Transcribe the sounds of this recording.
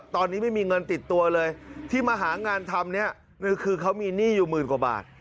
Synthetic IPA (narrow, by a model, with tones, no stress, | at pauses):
t̪ɔː˧nːi˦˥ma˥˩jmiː˧ŋɤ˧nt̪i˨˩t̪ːu˧ɐlɤː˧jt̪ʰiː˥˩maː˧ɦaː˩˦ŋaː˧nt̪ʰa˧mni˦˥ɐ | n˧˩kʰɯː˧kʰa˦˥wmiː˧niː˥˩juː˨˩mɯː˨˩nkwa˨˩ba̰ː˨˩t̪̚